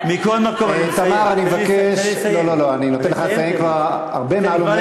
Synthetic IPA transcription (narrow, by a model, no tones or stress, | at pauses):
mikolmakoet̪amaʁanimevakeʃlo̞lo̞loaninot̪enleχaetaemkvaʁ | a̰ʁbemaalomm